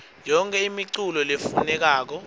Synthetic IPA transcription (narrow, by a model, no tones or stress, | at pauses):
jɔŋkʰʼɛimiǀulɔlefunɛk̬aːk̬ɔ